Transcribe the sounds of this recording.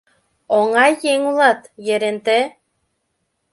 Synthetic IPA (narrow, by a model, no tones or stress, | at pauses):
oŋɑjːeŋulˠɑt̪jeɾent̪e